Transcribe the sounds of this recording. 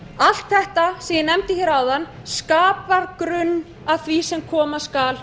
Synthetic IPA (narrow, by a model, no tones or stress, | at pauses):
al̥t̪θɛht̪asɛjɪnɛmt̪ɪçjɛɾaːwðan | skaːpaɾkɾʏnː | aðθvisɛmkʰɔːmaskaːl